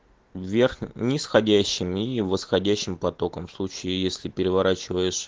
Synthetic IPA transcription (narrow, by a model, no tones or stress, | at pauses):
vvʲe̞rxnʲɪsxɐdʲæɕːɪmivəsxɐdʲæɕːɪmpɐt̪o̞kəmfslˠut͡ɕɪɪjesʲlʲɪpʲɪɾʲɪvɐɾat͡ɕɪvəjɪʂ